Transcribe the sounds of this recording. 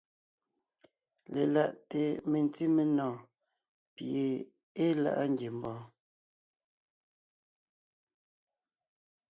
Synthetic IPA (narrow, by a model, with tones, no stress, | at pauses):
le˨la˨ʔte˨me˨n˦ti˦me˨nɔ̃ː˨ | pje˨ | e˦la̰˦ʔa˦ŋɡje˨m̩˨bɔ̃ː˦